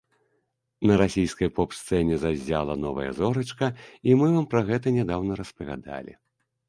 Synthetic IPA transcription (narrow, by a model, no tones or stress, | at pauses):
nɐɾasʲijskɐjpɔpst̪sɛnʲɛzazʲːa̰lˠɐnɔvɐ̰jɐ̰zɔɾɐt͡ʂkɐimɨvampɾɐɣɛt̪ɐnʲɛd̪awnɐɾɐspɐvʲa̰d̪a̰lʲḭ